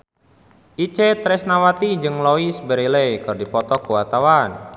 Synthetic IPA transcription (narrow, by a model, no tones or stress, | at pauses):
ʔit͡ʃet̪ɾɛsnawat̪id͡ʒɨŋlɔisbəɾiləjkɨrdipɔt̪ɔkəwat̪awan